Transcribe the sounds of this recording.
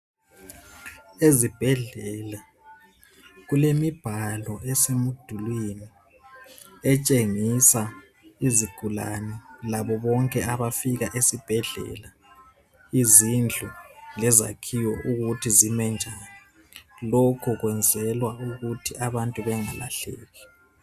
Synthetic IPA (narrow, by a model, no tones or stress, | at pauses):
ezib̥ʱɛɮɛla | ɣulemib̥ʱalɔɛsemud̥ʱulwini | ɛt͡ʃʼeŋisa | iziɡ̥ʱula̰nɛlaβɔβɔŋkʼɛaβafiɣaʔesib̥ʱɛɮɛ̰la | izind͡ɮʱulɛza̰kʰijɔʔuɣutʰizimɛnd͡ʒʱaːni | lokʰuɣwɛnd͡zʱɛlwauɣutʰiʔaβantʼuβɛŋa̰la̰ɬɛ̰ːɣɛ